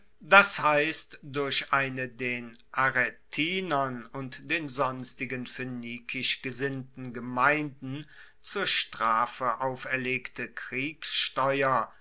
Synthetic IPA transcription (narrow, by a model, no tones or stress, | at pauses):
d̥ashaɪstdʊɐɕʔaɪnədeːnʔaʁetʰiːnɐnʊntd̥eːnzɔnstɪɡənføniːkʰɪʃɡ̥əzɪntn̩ɡəmaɪndn̩ | t͡suːɐʃtʁ̥aːfəʔaʊfɛɐleːktʰəkʁ̥iːksʃtɔʏɐ